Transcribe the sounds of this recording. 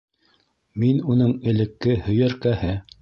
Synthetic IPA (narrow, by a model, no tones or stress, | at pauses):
minunɤɴɘ̆lɘ̆kːɘhɵ̆jæɾkæhɘ